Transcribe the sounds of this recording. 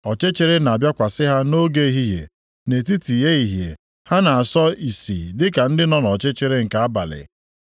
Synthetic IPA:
ɔ˨t͡ʃe˦t͡ʃe˦ɾe˦na˨bja˦kʷa˨sɪ˦ɦa˦no˦ɡe˦i˨ɦi˦ɦḛ˨ | ne˨ti˦ti˨je˦i˨ɦjḛ˨ | ha˦na˨a˨sɔ˦i˨sḭ˨dɪ˦ka˨n̩˦dɪ˦nɔ˦nɔ˨t͡ʃe˦t͡ʃe˦ɾe˦ŋ̩˨ka˨a˦ba̰˨lɪ̰˨

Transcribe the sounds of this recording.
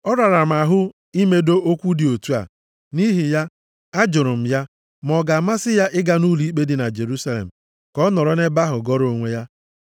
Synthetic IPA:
ɔ˦ɾa˨ɾa˨m̩˨a˨ɦʊ˦ | i˦me˦do˦ʔo˦kʷu˦dɪ˨o˨tu˦a̰˨ | ni˦ɦi˨ja˦ | a˦d͡ʒʊ˨ɾʊ˨m̩˨ja˦ | m˨ɔ˨ɡa˨ma˦sɪ˦ja˦ʔɪ˦ɡa˦nu˦li˦k͡pe˦dɪ˦na˨d͡ʒe˨ɾu˦sa˦lḛ˨m̩˨ | kɔ˦nɔ˨ɾɔ˦ne˦ba˦ɦʊ˨ɡɔ˦ɾo˨ŋʷe˦ja˦

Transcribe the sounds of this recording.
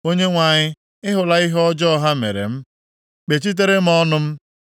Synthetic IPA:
o˦ɲe˦ŋʷa˨ɲɪ˦ | ɪ˦ɦʊ˨la˦i˦ɦɔ˦d͡ʒɔ˦ɦa˦mḛ˨ɾḛ˨m̩˦ | k͡pe˨t͡ʃi˦t̬e˦ɾe˦m̩˦ɔ˦nʊ˦m̩˦

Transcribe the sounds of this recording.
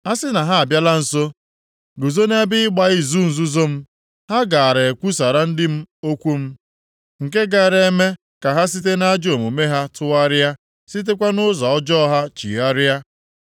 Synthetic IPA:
a˦sɪ˦na˨ɦa˦a˨bja˦la˦n̩˨so˦ | ɡʊ˨zo˦ne˦bɪ˦ɪ˦ɡ͡ba˦ɪ˦zu˦n̩˨zu˦zo˦m̩˦ | ha˦ɡa˨a˨ɾe˨e˨kʷu˦sa˨ɾa˦n̩˦dɪ˦m̩˦o˦kʷu˦m̩˦ | ŋ̩˨ke˦ɡa˦˨ɾe˨˦me˦ | ka˨ɦa˦s̬i˦t̬e˦na˦a˦d͡ʒo˨mu˨me˦ɦa˦tʊ˦a˦ɾa˦ | si˦t̬e˦kʷa˦nʊ˦zɔ˨ɔ˦d͡ʒɔ˦ɦa˦t͡ʃḭ˨a˦ɾa˦

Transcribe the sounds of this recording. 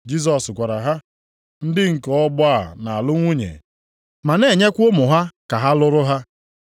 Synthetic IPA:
d͡ʒi˦s̬ɔ˨skʷa˨ɾa˨ɦa˦ | n̩˦dɪ˦ŋ̩˨kɔ˨ɔ˦ɡ͡bʊ˦a˦˨na˨a˨lʊ˦ŋʷu˦ɲḛ˨ | ma˨ne˨ɲe˦kʷʊ˦mʊ˨ɦa˦ka˨ɦa˦lʊ˦ɾʊ˦ɦa˦

